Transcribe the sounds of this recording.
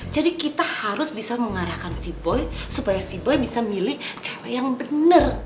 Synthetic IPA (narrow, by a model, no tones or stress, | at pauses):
d͡ʒadikit̪ahaɾʊsbisaməŋaɾahkansibɔjsupajasibɔjbisamilɪht͡ʃawajaŋbənər